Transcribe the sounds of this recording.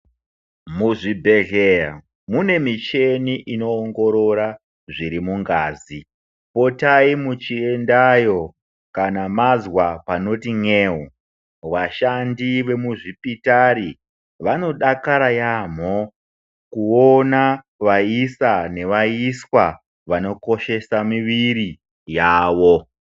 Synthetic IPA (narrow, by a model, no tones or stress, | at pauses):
muʐibʱe̞ɮera̰ | mune̞mit͡ʃe̞niʔino̞ːŋɡo̞ɾo̞ɾa | ʐiɾimuŋɡaːzi | po̞taimut͡ʃiendajo̞ | kanamazwapano̞tiŋeːɦu | ʋaʃandiʋe̞muʐipitaɾi | ʋano̞ɗakaɾajam̤o | kuona | ʋaisane̞ʋaiswa | ʋano̞ko̞ʃe̞samiʋiɾi | jaːʋo̞